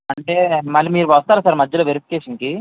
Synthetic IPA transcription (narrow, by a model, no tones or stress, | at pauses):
ɐɳʈe̞ːmɐlːimiːɾuʋɐst̪aːɾusaːɾmɐd͡ʒːɐloːʋeɾipʰi̥keːʃɐŋki